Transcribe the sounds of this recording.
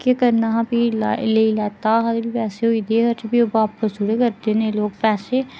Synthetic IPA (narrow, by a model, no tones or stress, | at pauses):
kekəɾnaːɦãpiːleːilɛːt̪aːɦad̪bipɛːseːɦoid̪eːɦəɾt͡ʃəbiːobaːpːəsd͡ʒʊɽeːkəɾd̪eːnẽːloːɡ̚pɛːseː